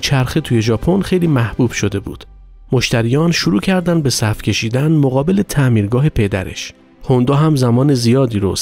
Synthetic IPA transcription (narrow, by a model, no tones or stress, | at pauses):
t͡ʃʰæɾxet̪ʰuːje̞ʒɒːpʰo̞nxe̞jliːmæhb̥uːb̥ʃo̞d̪e̞bṵːd̪̥ | mo̞ʃt̪æɾiːjɒːnʃuɾuːcʰæɾd̪ænd̪̚be̞sæfcʰʲe̞ʃiːd̪ænmoɣɒːbe̞le̞t̪ʰæʔmiːɾɡɒːɦe̞pʰe̞d̪æ̰ɾe̞̰ʃ | hond̪ɒːɦæmzæmɒːnezijɒːd̪iːɾos